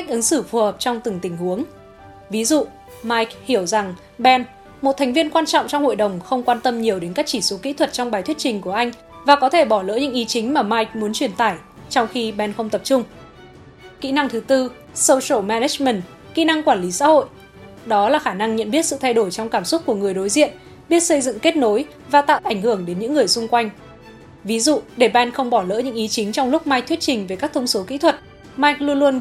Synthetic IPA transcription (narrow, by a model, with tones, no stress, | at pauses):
ka˦˥k̟̚ʔɨ˨˦ŋsɨ˧˩fu˨˩həː˨˩p̚t͡ɕɔ˧wŋ͡mt̪ɨ˨˩ŋt̪ï˨˧˩ŋ̟hu˨˦əŋ | vi˨˦zṵ˧˨ | maː˧jk̚hi˧˩əwza˨˩ŋ | ɓɛ˧n | mo˨˩t̚t̪ʰa˨˩ŋ̟vi˧ənkwaː˧nt͡ɕɔ̰˧˨wŋ͡mt͡ɕɔ˧wŋ͡mho̰˧˨jɗə˨˩wŋ͡mxə˧wŋ͡mkwaː˧nt̪ə˧mɲi˨˩əwɗe˨˦nkaː˦˥k̚t͡ɕi˧˩so˨˦kḭ˧˥t̪ʰwə˨˩t̚t͡ɕɔ˧ŋ͡mɓaː˨˩jt̪ʰwtt͡ɕï˨˩ŋ̟ku˧˩əʔa˧jŋ̟ | vaː˨˩kɔ˨˦t̪ʰe˧˩ɓɔ˧˩lə̰ː˧˥ɲɨ̰˧˥ŋʔi˨˦t͡ɕï˨˦ŋ̟maː˨˩maː˧jk̚mu˨˦ənt͡ɕwi˧˩ənt̪aː˧˩j | t͡ɕɔ˧wŋ͡mxi˧ɓɛ˧nxə˧wŋ͡mt̪ə˨˩p̚t͡ɕʊ˧ŋ͡m | kḭ˧˥na˧ŋt̪ʰɨ˨˦t̪ɨ˧ | sə˧wso˧˩mɛ˧nɛ˦˥t͡ɕmə˨˩n | kḭ˧˥na˧ŋkwaː˧˩nli˨˦sa̰ː˧˥ho̰˧˨j | ɗɔ˨˦laː˨˩xaː˧˩na˧ŋɲə̰˧˨nɓi˦˥ət̚sɨ̰˧˨t̪ʰjɗo˧˩jt͡ɕɔ˧wŋ͡mkaː˧˩mswt̚ku˧˩əŋɨ˨˩əjɗo˨˦jzḭ˧˨ən | ɓi˦˥ət̚sə˧jzɨ̰˧˨ŋke˦˥t̚no˨˦j | vaː˨˩t̪a̰ː˧˨wʔa˧˩jŋ̟hɨ˧˩əŋɗe˨˦nɲɨ̰˧˥ŋːɨ˨˩əjsʊ˧ŋ͡mkwa˧jŋ̟ | vi˨˦zṵ˧˨ɗe˧˩ɓɛ˧nxə˧wŋ͡mɓɔ˧˩lə̰ː˧˥ɲɨ̰˧˥ŋʔi˨˦t͡ɕï˨˦ŋ̟t͡ɕɔ˧wŋ͡mlʊ˦˥k͡p̚maː˧jk̚t̪ʰwt̚t͡ɕï˨˩ŋ̟ve˨˩kaː˦˥kt̪ʰə˧wŋ͡mso˨˦kḭ˧˥t̪ʰwə˨˩t̚ | maː˧jk̚lu˧ənlu˧ən